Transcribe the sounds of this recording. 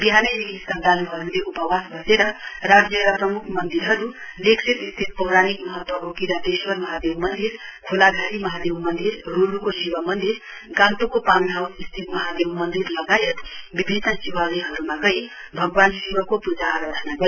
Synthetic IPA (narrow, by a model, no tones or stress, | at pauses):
biɦaneɾilist̪ad̪anuɦʌɾuleʔupʌwasbʱʌseɾʌɾad͡zjʌɾʌprʌmukʰmʌnd̪iɾɦʌɾulekʰsʰet̪ist̪ʰit̪̚pʌwɾanikmʌɦʌt̪ːwʌʔokiɾad̪eʃwʌɾmʌɦad̪ewmʌnd̪iɾkʰolaɡʱaɾimʌɦad̪ewmʌnd̪iɾːuɾukosiwamʌnd̪iɾ | ɡãnt̪ukopanʱawsist̪ʰit̪mʌɦad̪ewmʌnd̪iɾlʌɡajet̪bibʱinːəsiwaliɦʌɾumaɡʌj | bʱʌɡwansiwʌkopud͡zaaɾad̪ʱənaɡʌɾ